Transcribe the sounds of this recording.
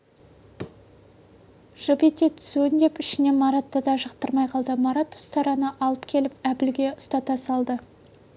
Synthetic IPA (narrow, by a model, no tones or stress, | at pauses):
ʒ̥ɑbet̪ːe̞t̪ʰʏ̥suɪnd̪e̞pɪʃɪne̞mɑɾat̪ːɑd̪ɑʒɑqt̪əɾmɑjqʰɑlˠd̪əmɑɾat̪ʊ̥st̪ʰɑɾɑnəʔɑlˠəpkʲʰe̞lɪpæpɪlɡʲe̞ʊst̪ɑt̪ɑsɑlˠd̪ə